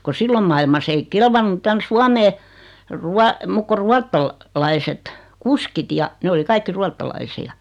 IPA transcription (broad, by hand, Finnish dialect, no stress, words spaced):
ko silːom mɑilmɑs ei kelʋɑnːu tæn suɑmeː ruɑ muk ko ruɑtːɑl lɑiset kuskit jɑ ne oli kɑikːi ruɑtːɑlɑisiɑ